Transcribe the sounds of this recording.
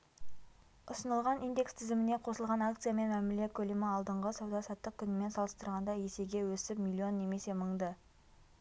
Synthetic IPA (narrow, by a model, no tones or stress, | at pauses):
ʊsənəlˠʁɑnijnd̪e̞kst̪ʰɪzɪmɪneqʰo̞səlˠʁɑnakt̪sɨjame̞nmæmɪle̞kʲʰɵlemɪɑlˠd̪əɴʁəsɑwd̪ɑsɑt̪ːəq̚kʲʰʏnɪme̞nsɑlˠəst̪əɾʁɑnd̪ɑje̞se̞ɡʲe̞wɵsɪpmʲilʲˠːio̞nːe̞me̞se̞məɴd̪ə